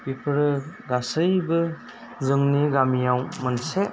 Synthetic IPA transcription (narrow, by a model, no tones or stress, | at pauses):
bipʰɯɾɯɡasɯjbɯ | zɯŋniɡamijawmɯnse